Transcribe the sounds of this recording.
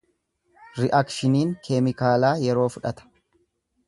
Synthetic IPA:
ɾɪʔɐkʃɪniːŋkʰeːmɪkaːlaːjɛɾo̞ːfʊᶑɐt̪ɐ̥

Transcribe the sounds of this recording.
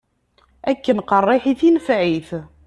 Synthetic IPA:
ækːənqərˤːɪħiθinfʕiθ

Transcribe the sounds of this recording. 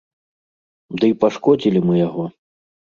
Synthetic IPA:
d̪ɨipaʂkɔd͡zʲilʲimɨjaɣɔ

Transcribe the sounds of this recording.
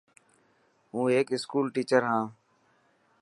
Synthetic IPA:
ɦũːeːkɪskuːlʈiːt͡ʃəɾɦãː

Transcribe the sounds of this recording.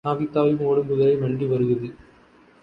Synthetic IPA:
aːʋit̪ːaːʋɪlmoːɽɯmpʊðɐɾɐɪʋɐɳɖiʋɐɾɯɣɐðɯ

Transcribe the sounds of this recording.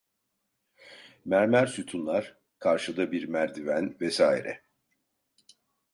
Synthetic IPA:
mæɾmæɾsut̪ʰunlˠaɾ̥ | kʰaɾʃɯd̪abiɾmæɾd̪ivænvɛsaːḭɾɛ̰

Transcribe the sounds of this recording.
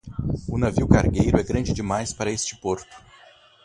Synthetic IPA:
ʊnaviwkaɾɡejɾʊɛɡɾɐ̃d͡ʒɪd͡ʒɪmajspaɾɐest͡ʃɪ̥poɾt̪ʊ̥

